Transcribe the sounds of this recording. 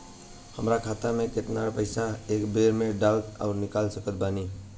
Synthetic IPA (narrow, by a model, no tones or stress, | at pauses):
həmɾakʰaːt̪amẽkɪt̪naːɾpəɪsaeːkbeːɾmẽɖaːlɔ̰ːɾnɪkaːlsəkət̪̚baːniː